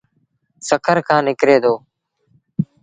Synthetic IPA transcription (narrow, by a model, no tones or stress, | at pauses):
səkʰəɾkʰãːnɪkɾeːd̪oː